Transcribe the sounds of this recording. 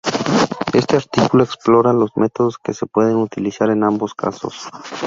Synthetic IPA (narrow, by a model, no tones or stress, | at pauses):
e̞st̪e̞aɾt̪ikulo̞eksplo̞ɾalo̞zmʔe̞t̪o̞ðoske̞se̞pwe̞ðe̞nut̪ilisaɾe̞nambo̞ska̰so̞̰s